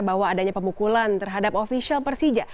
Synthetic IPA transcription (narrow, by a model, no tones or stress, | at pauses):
bawaːdaɲapəmukulant̪ərɦadapofisialpərsid͡ʒaʔ